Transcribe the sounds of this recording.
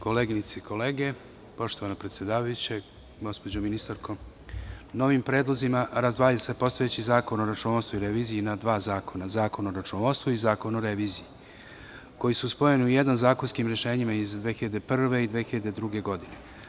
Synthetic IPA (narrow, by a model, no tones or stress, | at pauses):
ko̞leːɡinit̪seiko̞le̞ːɡe̞ | po̞ʃt̪o̞ʋanapɾet̪sʲje̞d̪aːʋajut͡ɕe | ɡo̞spo̞d͡ʑominist̪aɾkʰo̞ | no̞ʋimpɾeːd̪lˠozimaɾazd̪ʋaːjase̞po̞st̪o̞jet͡ɕizaːko̞noɾat͡ʃunoost̪voiɾeʋiːzijinad̪ʋaːzaːko̞nazaːko̞noɾat͡ʃunoost̪voizaːko̞noɾeʋiːziji | ko̞jisuspo̞je̞niujed̪anzaːko̞nskimɾeʃe̞ːɲimaizd̪ʋexiʎad̪epr̩ʋe̞id̪ʋexiʎad̪e̞d̪ɾuɡe̞ɡo̞d̪ine̞